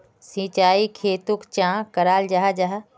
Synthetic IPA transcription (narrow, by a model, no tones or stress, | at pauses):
sĩːt͡ʃaːikʰeːt̪ʊkt͡ʃãːkəɾaːld͡ʒaɦad͡ʒaɦa